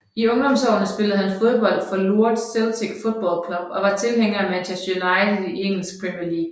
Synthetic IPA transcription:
iɔ̽ŋd̥ɒ̽msɒ̰ʊnəsb̥e̝ləð̞̩ˠhænfo̝ðˠb̥ɒ̽l̰d̥fɒ̽luɐ̰d̥selˠt͡sʰeɡ̥fo̝d̥̚ˠb̥ɒ̰lkʰlɒ̽b̥ɒ̽ʋɑ̈t͡sʰe̝lɦeŋ̰ɐæmædʰæsonɑ̈ɪt͡seieŋ̰l̩sɡ̥̚pʰʁimiɐliːɡ̥

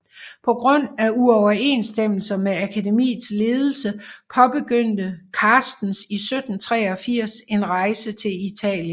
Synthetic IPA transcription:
pʰɒ̽ɡ̥ʁɔn̰æuɒʊɐe̝̰ːnsd̥em̰l̩sɐmeækʰæde̝mḭːð̩ˠsle̝ːð̞ˠl̩səpʰɒ̽b̥e̝ɡ̥øn̰d̥əkʰɑːsd̥n̩sisød̥n̩t͡sʰʁɛ̰ːɒ̽fiɐ̰se̝nʁɑ̈ɪsət͡sʰe̝lit͡sʰɛ̰ːljən

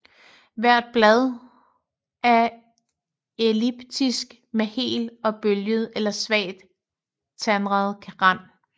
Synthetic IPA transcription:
ʋæɐ̰d̥̚b̥lɛð̞ˠ | ʔæɐ | elib̥d̥ʰisɡ̥ | mehe̝̰ːlɒ̽b̥øljəð̩ˠelɐsʋɛ̰ːɪd̥ | t͡sʰænʁɑð̞̩ˠkʰæʁɑn̰

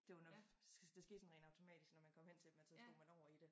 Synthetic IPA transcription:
d̥e̝ʋɑnɒd̥esɡ̥e̝ːd̥sɒnʁɛ̰ːn̥ɑ̈ʊt͡sʰo̝mɛ̰ːd̥isɡ̥nɒmænkʰɒ̽m̰hen̰t͡sʰe̥mæsesb̥omænɒʊ̰ɐid̥e

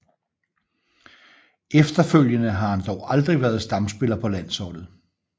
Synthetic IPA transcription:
efd̥ɐføl̰jənəɦɑ̈hænd̥ɒʊʔɑ̈ld̥ʁiʋæːɐð̞̩ˠsd̥ɑ̈msb̥e̝lɐpʰɒ̽læn̰sɒd̥ð̩ˠ

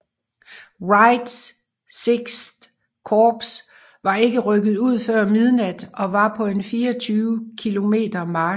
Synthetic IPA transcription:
ʁɑ̈ɪd̥s | seɡ̥sd̥ | kʰɒːb̥s | ʋɑ̈e̝ɡ̥əʁœɡ̥ð̞̩ˠuð̞̰ˠfɶɐ̰mið̞ˠnæd̥ɒ̽ʋɑ̈pʰɒ̽e̝nfiːɒt͡sʰyːʊkʰilo̝me̝̰ːd̥ɐmɑ̈ː

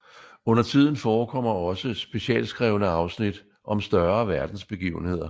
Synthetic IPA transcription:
ɔ̽n̰ɐt͡sʰið̞̰ˠn̩fɒːkʰɒ̽m̰ɐɒ̽səsb̥e̝ɕiɛ̰ːlsɡ̥ʁɛːʊnəɑ̈ʊsnid̥ | ʔɒ̽msd̥ɶɐʋæɐd̥n̩sb̥e̝ɡ̥ḭːʊn̩he̝ð̞̰ˠɐ

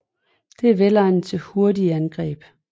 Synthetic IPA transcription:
d̥e̝æɐʋelɑɪnt͡sʰe̝ho̝ɐdiænɡ̥ʁɛ̰ːb̥

